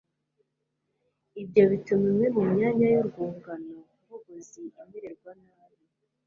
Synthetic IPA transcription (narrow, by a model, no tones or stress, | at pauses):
ibɟo̞βitumimŋemumɲaːɲajoɾɡuːŋɡanouvoɡoziimeɾe̞ɾɡwanaːβi